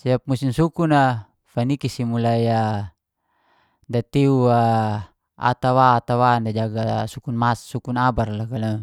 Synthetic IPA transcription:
siap̚must̪insukuna | fanikisimulaja | dat̪eua | a̰t̪awaːt̪awandad͡ʒaɡasukunmasːukunabarlakala

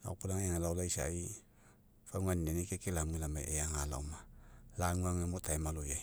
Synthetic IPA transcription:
la̰kulaŋeŋelawlaisa̰ji | faŋʷwanːenikekilamilama̰ʔejaŋala̰umalaŋʷaŋemutaimaluja

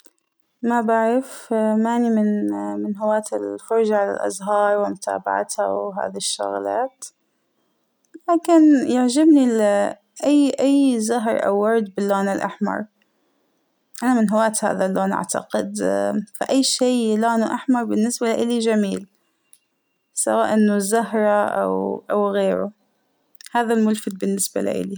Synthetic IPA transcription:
mabaʕɾɪfmaːnimɪnmɪnɦʊwaːt̪ɪlfʊɾˤd͡ʒaʕala̰lʔa̰zɦɑːɾˤwɪmʊt̪ʰa̰ːba̰ʕa̰t̪ha̰wɦa̰ːðiʃːʊ̰ɣla̰ːt̪ | laːkɪnjɪʕd͡ʒabnil | ʔajːʔajːzaɦɾˤʔa̰wːɑɾˤd̪bɪlːoːnɪlʔa̰ħmɑ̰ɾˤ | ʔanamɪnɦawaːt̪ha̰ːðaloːnʔa̰ʕt̪a̰qɪ̰d̪fa̰ʔajːʃiːloːnuʔaħmɑɾˤbɪnːɪsbalaʔɪlid͡ʒamiːl | sa̰waːʔɪnːʊzaɦɾˤɑʔa̰wʔawɣeːɾʊ̰ | haːðalmʊlfɪd̪̚bɪnːɪsba̰la̰ʔɪ̰li

